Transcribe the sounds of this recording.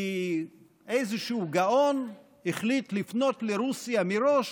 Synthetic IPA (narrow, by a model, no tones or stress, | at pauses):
i | ejzeʃuɡao̞n | iχlitlifnotleɾusjamiɾoʃ